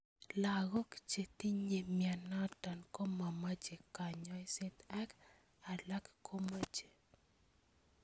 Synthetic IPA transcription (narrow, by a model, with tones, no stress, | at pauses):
la˨ɡɔ˦kt͡ʃe˨t̪i˦ɲe˨mja˨na˦ta˨nko˦ma˨ma˦d͡ʒe˨ka˨ɲɔ˨˦i˦sɪ˦t̪a˦k | a˨la˦kko˦ma˦d͡ʒe˨